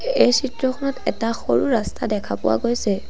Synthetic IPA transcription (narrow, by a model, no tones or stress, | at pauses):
ejsitɹɔxʰɔnɔtɛ̰taxoɹuɹastadɛkʰapʊwa̰ɡojsɛ